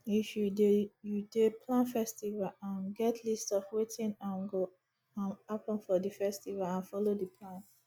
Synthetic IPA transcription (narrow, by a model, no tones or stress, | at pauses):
ifjudejudepʰlãnfɛstivalãnɡɛtʰlistɔfwetĩnãnɡo | ãnapɔ̃nfɔdifɛstivalãnfɔlodipʰlãn